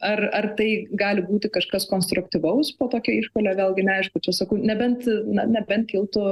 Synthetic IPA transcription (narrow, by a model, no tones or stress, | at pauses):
ɐrɐrt̪ɐɪɡɑːlʲɪbuːt̪ʲɪkɐʃkɐskoːnst̪ɾʊkt̪ʲiʋɐʊspoːt̪oːkʲɛiːʃpoːlʲeːʋʲeːlˠɡʲɪnʲɛɐɪʃkʊt͡ʃʲɛsɐkɐʊnʲɛbʲɛnt̪nɐnʲɛbʲɛnt̪̚kʲɪlˠt̪ʊ